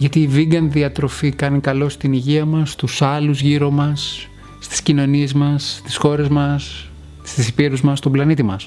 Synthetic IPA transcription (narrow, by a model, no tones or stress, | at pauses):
ʝɐt̪iːviɡɐnðiɐt̪ɾo̞fikɐnikɐlo̞st̪iniʝiɐmɐst̪usɐluzʝiɾo̞mɐsː | t̪i̥scino̞nie̞zmɐst̪isxo̞ɾe̞zmɐs | st̪isipiɾuzmɐst̪o̞blɐnit̪imɐs